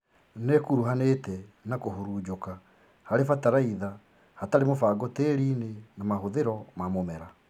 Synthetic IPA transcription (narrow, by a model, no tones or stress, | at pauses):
nekuɾuɦanetɛnakoɦoɾud͡ʑoka | haɾefataɾaiða | hataɾemofaːɡoteɾiːnenamaɦoðeɾɔmamomɛɾa